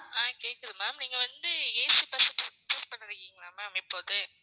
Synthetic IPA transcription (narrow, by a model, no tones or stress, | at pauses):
aːkeːkːɐðɯmaːmniːŋɡɐʋɐnd̪ɯeːsipɐsɐʈːsɐksɐspɐɳːɪɾɯkːiːŋɡɐlaːmaːmɪpːoːðɯ